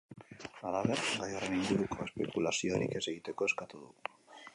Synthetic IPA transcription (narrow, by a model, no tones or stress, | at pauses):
alaβerbajo̞reniŋɡuɾuko̞e̞spe̞̰kulasio̞ɾḭke̞se̞ɣit̪e̞ko̞e̞skat̪uð̞u